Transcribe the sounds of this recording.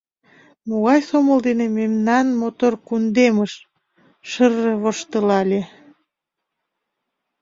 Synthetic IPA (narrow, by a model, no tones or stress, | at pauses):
moɣɑjsoməld̪enememnɑnmot̪orkund̪eməʃ | ʃərəβoʃt̪əlɑlʲe